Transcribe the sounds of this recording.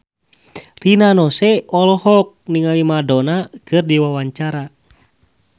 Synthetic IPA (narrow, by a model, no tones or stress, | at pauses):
rinanɔsɛɔlɔhɔk̚niŋalimadonakɨrdiwawaɲt͡ʃaɾa